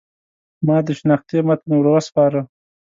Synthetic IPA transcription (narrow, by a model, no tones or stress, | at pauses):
mɑːd̪əʃnɑxt̪emat̪newɾawaspɑːɾə